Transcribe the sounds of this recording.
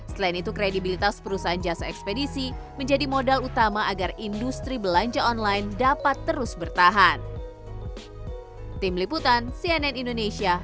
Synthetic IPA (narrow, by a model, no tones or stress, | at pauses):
səlainit̪ukɾedibilit̪aspəɾusaand͡ʒasaɛkspedisi | məɲd͡ʒadimodalut̪amaʔaɡarindust̪ɾibəlaɲd͡ʒaɔnlajndapat̪ːəɾʊsbərt̪aɦan | t̪imliput̪ansiɛnɛnindonesia